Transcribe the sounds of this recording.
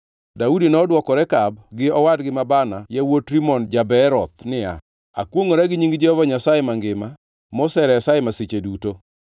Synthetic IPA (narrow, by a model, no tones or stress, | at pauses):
daudinɔdwɔkɔɾɛkab̚ɡɪɔwadɡɪmabanajawotɾimɔnd͡ʒabɛɾɔt̪̚nɪa̰ | a̰kwoŋoɾɛɡɪɲiŋɡd͡ʒɛhɔvaɲasajemaŋɡɪma | mɔsɛɾɛjasajemaset͡ʃeduto